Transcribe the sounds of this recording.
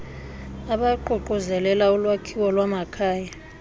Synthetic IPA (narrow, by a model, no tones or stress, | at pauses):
aɓaǃuǃuzɛlɛlaulwakʰiwɔlwamakʰaːja